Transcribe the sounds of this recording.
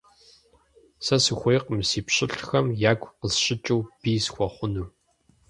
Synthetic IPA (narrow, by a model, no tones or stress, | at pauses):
sɐsɨxʷejqəmsiːpɕɪɬxɐmjaːɡʷʼqəzɕɪt͡ʃʼuwb̥iːsxʷɔχʷʊnuː